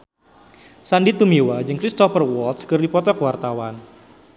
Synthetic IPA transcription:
sandit̪umiwad͡ʒɨŋkɾist̪ɔfərwɔlt̪skɨrdipɔt̪ɔkəwart̪awan

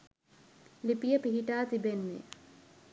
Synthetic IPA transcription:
lipijəpiɦiʈaːt̪ibenːḛ

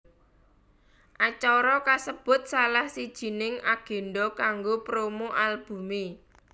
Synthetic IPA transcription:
ʔat͡ʃɔɾɔkasəb̥ʊ̤t̪̚salahsid̥ʒ̥i̤nɪŋaɡ̥e̤ɳɖɔkaŋɡopɾomoʔalb̥ṳme

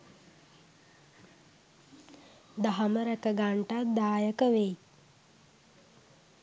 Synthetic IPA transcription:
d̪aɦaməɾəkəɡaɳʈad̪aːjəkəʋe

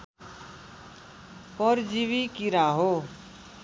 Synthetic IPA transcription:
pʌɾd͡ziβikiɾaɦo

